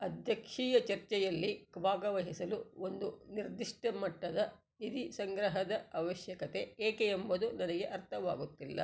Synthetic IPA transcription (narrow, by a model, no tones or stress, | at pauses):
ɐd̪ʱjɐkʂiːjɐt͡ʃɐɾt͡ʃɛjɐlːiɡbʱaːɡɐʋɐɦisɐluo̞nd̪uniɾd̪iʂʈɐmɐʈːɐd̪ɐ | id̪isɐŋɡɾɐɦɐd̪ɐɐʋɐʃjɐkɐt̪e̞eːkeːmbɐd̪unɐnɐɡe̞ʔɐɾt̪ʰɐʋa̰ːɡut̪ːilːɐ̰